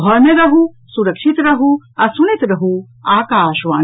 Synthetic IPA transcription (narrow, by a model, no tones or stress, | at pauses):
ɔɾmẽɾɐɦu | suɾəkʃit̪ɾɐɦuɐsunit̪ɾɐɦu | aːkaːʃʋaː